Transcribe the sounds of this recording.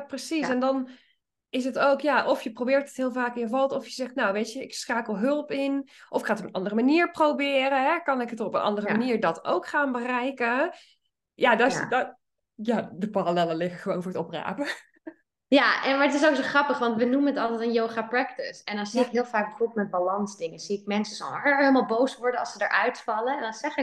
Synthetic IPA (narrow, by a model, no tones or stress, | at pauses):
prəsisɛndɑn | ɪs̬ətowkjaʔɔfjəprowbɪːɹtətɦɪːlˠvaːkɪ̃jəvɑlˠtɔfjəzɛχtnawʋejtəɪksraːkəlˠɦɵlˠpɪnʔɔfɪkχaːtɔpənʔɑ̰ndərəmaniːɹprowbɪːrəɦɛkɑnɪkətɔpənʔɑ̰ndərəmaniːɹdɑto̰wkχaːnbərɛjkə | jadɔsd | jadəparalɛləlɪχəχəʋownfʊːɹətɔpra̰ːpə | jaɛmaɹətɪs̬oksoχrɑpəχʋɑntʋənumənətɑlˠtɛtənjowχaːprɛktɪsɛndɑnziɪkɦɪːlˠfaːk̚bəfobˠtmɛt̚balɑnzdɪŋənz̥iɪk̚mɛnsəzɔ̰lˠəɦelˠmalˠbowsʋɔɹdəɑ̰lˠsədə̰ɹʔœɥtfɑləɛndɑnz̥ɛχɪ